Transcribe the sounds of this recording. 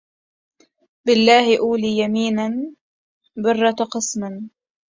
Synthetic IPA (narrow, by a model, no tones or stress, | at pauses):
bɪlːaːhɪʔuːliːjamiːnan | bʊrˤːɑt̪qɨsmɪn